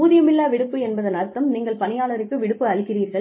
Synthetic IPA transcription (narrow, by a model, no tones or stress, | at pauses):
uːðɪjɐmɪlːaːʋɪɽɯpːɯɛnbɐðɐnɐɾɯt̪ːɐmniːŋɡɐɭpɐnɪjaːɭɐɾɯkːɯʋɪɽɯpːɯɐɭɯkːɪriːɾɣɐɭ